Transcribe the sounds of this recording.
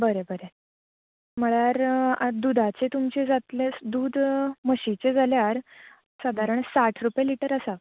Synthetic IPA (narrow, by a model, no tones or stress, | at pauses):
bəɾebəɾe | m̤əɭaɾad̪ud̪ʱat͡set̪umt͡ɕed͡zat̪led̪uːd̪məɕit͡sed͡zaljaɾ | səd̪ʱaɾəɳsaʈʰɾupjaliʈəɾəsa